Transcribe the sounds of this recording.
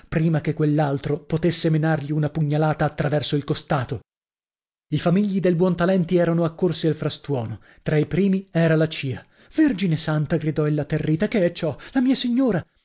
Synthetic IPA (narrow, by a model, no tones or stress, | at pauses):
pɾiːmakekːwelːalt̪ɾopot̪esːemenarʎiunapuɲːalaːt̪aːt̪ːɾavɛrsoilkost̪aːt̪o | ifamiʎːid̪ejbwɔnt̪alɛnt̪iɛːɾanoakːorsialfɾast̪wɔːno | t̪ɾaipɾiːmiɛːɾalat͡ʃiːa | verd͡ʒinesant̪aɡɾid̪ɔilːat̪erːiːt̪akeɛt͡ʃːɔlamiːasiɲːoːɾa